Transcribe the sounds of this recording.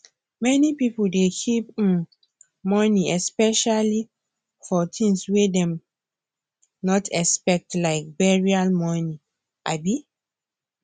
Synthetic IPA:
mɛnipipoldekʰipĩn | mɔniɛspɛʃali | fɔtʰĩŋswedɛ̃m | nɔtʰɛspɛk̚tlaɪk̚bɛɹialmɔni | ʔabi

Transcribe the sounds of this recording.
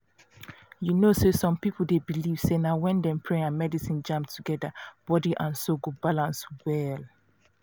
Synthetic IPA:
junososɔ̃mpipl̩debiliv̥senaʊwɛ̃ndɛ̃mpʰɹẽãnmɛdisĩnd͡ʒãmptʰuɡɛdab̥ɔdiʔãnsoɡobalãnswɛl

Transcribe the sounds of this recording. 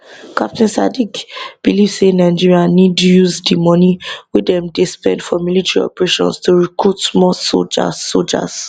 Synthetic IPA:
kap̚tʰɛ̃nsadikb̥iliv̥senaɪd͡ʒiɹianid̚tujuzdimɔniwedɛ̃mdespɛ̰̃ndfɔmilitɛɹiɔ̰pɹeʃɔ̰̃nstuɹikɹutsmɔso̰d͡ʒa̰old͡ʒa̰z̥

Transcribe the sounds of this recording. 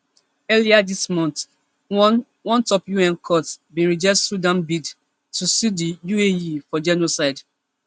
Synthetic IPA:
ɛliadismɔ̃nt | wɔ̃ntɔpjuɛ̃nkʰɔtbĩnɹid͡ʒɛssudãmbid | tusidijuejifɔd͡ʒɛnosaɪd

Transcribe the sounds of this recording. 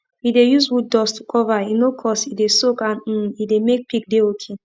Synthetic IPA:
idejuswud̚ːɔstʰu̥kʰɔvainokʰɔsidesokãn̩idemek̚pik̚deokʰe

